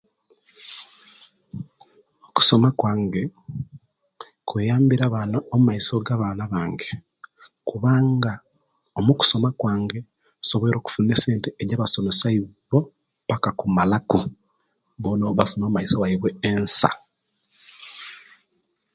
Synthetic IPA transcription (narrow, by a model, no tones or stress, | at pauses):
oku̥so̞makwaːŋɡe̞ | kweːjaːmbiɾaβanaomumaiso̞ɡaβaːnaβaːŋɡe | kuβaːŋɡa | omuku̥so̞makwaːŋɡe̞ | so̞βeɾo̞ːku̥funese̞ːnteeɟaːβaso̞mesaiβo̞ | βakakumalaku | βonoβafunoːmaisowaiβweːnsa̰